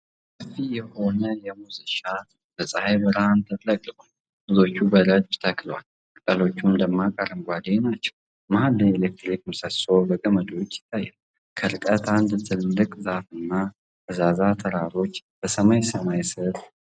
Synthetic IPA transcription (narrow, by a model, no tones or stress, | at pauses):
səfijɛho̞nəjɛmuziʃa | bəsʼahajbɨɾhant̪ʰət̪ləkʼːɨkʼu | b̥ɨzo̞t͡ʃːubələd̪bt̪ʰəkʰlwa̰l | kʼt̪ʼəlo̞t͡ʃːumd̪əmːakʼəɾɨmɡʷad̪enat͡ʃːɛ̥w | mahalːəelek̚t̪ɾikmsəsobəɡəməd̪o̞t͡ʃːɪ̥t̪ʰːajːɛl | kʰəɾɨkʼət̪and̪t̪ʰɨlːɨkʼzafɨnːa | bəzazat̪ʰəɾaɾo̞t͡ʃːb̥əsəmajsəmajsɨɾ